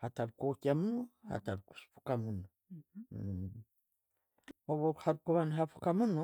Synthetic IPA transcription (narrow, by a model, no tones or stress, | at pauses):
hataβikokiamunoha̰taβiku̥spu̥kamuno | oβohaβikuβaniɦafu̥kamuno